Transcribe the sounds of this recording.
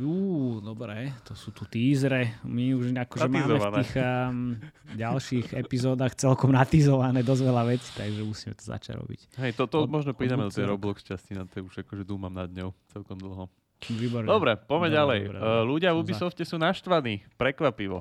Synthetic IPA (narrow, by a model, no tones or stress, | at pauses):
juːd̪ɔbɾɛt̪ɔsuːt̪ut̪iːzɾɛmiuʒakɔʒɛmaːmɛfniːx | ɟalʃiɣɛpizɔːd̪aːxt͡sɛlkɔmnat̪izɔʋanɛːd̪ɔzʋɛlaʋɛt͡si̥t̪aɡʒɛmusiːmɛt̪ɔ̥za̰t͡ʃa̰ɟɾɔ̰bḭcɦɛjt̪ɔt̪ɔmɔʒnɔpɾiːd̪amɛd̪ɔt̪ɛnɾɔblɔkʃcascinat̪ɛuʒakɔʒɛd̪uːmamnad̪ɲɔʊt͡sɛlkɔmd̪l̩ˠɦɔ | ʋiːbɔɾɲd̪ɔbɾɛpɔmɛalɛjbɾɛluɟɪavubisɔfcɛsuːnaʃt̪ʋaniːpɾɛkʋapiʋɔ̰